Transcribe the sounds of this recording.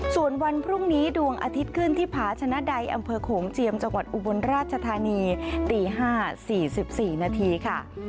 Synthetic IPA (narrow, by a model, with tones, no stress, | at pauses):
su˨˩ənwa˧npʰɾu˥˩ŋniː˦˥du˧əŋʔa̰˧t̪ʰi˦˥t̪̚kʰɯ˥˩nt̪ʰiː˥˩pʰaː˩˦t͡ɕʰa˧na˦˥da˧jʔa̰˧mpʰɤː˧kʰoː˩˦ŋt͡ɕi˧əmt͡ɕa˧ŋwa˨˩t̪̚ʔu˧˩bo˧nɾaː˥˩t̪̚t͡ɕʰa˧t̪ʰaː˧niː˧t̪iː˧ɦaː˥˩siː˨˩si˨˩p̚siː˨˩naː˧t̪ʰiː˧kʰa˥˩